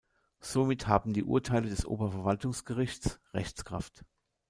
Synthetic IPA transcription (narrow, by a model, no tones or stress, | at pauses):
z̥omɪthaːbm̩diːʔṵɐtʰaɪlədɛsʔo̰ːbɐfɛɐvaltʊŋsɡ̥əʁɪçt͡sʁɛ̰çt͡skʁ̥a̰ft